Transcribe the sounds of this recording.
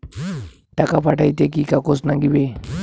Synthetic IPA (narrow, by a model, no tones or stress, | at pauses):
ʈakapaʈajt̪ek̬ikakosnaŋɡibe